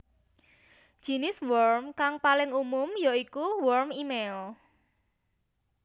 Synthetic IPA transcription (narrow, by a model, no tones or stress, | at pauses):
ʒ̥i̤nɪswɔrmkaŋpalɪŋumʊmjoikuwɔrmimel